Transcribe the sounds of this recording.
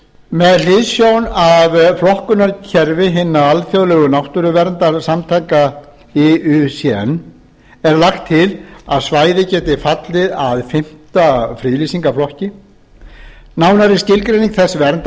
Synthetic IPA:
mɛðlɪðsjownavflɔhkʏnaɾcʰɛɾvɪɦɪnːaalθjowlɛːɣʏnawht̪ʏɾʏvɛɾnt̪aɾsamt̪ʰajka | ɛʏsjɛ̰nː | ɛɾlaxt̪ʰːɪlaðsvaːjðɪcɛːt̪ɪfat̪lɪðaðfɪm̥t̪afɾilisiŋkaflɔhcɪ | naːwnaɾɪscɪlkɾejniŋkθɛsvɛɾnt̪

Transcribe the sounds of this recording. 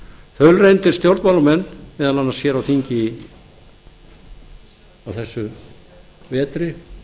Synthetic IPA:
fœlrejnt̪ɪɾ̥st̪jowɾt̪maːlʏmɛnːvɛːðananːasjɛːɾawθiɲcɪ | awθɛsːʏ | vɛːt̪ɾɪ

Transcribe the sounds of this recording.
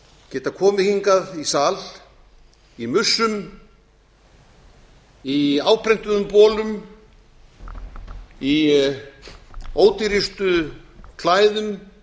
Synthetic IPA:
cɛːt̪akʰɔːmɪhiŋkaðisaːl | imʏsːʏm | iaːwpʰɾɛn̥t̪ʏðʏmpɔːlʏm | i | oːwt̪ɪɾist̪ʏkʰlaːjðʏm

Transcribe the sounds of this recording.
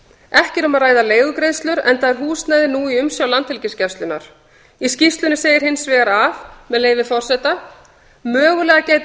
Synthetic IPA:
ɛhcɪɾʏmaðraːjðaleːjɣʏkɾejðst̪lʏɾɛ̰nθaðɛɾ̥ɦuːst̪najðɪnuːiʏmsjawlant̪hɪlcɪscɛfst̪ʏna̰ɾ̥ | iscist̪lʏnɪseːjɪɾ̥ɦɪnsvɛːɣaɾavmɛðleːjvɪfɔr̥sɛt̪a | mœːɣʏlɛːɣaceːjt̪

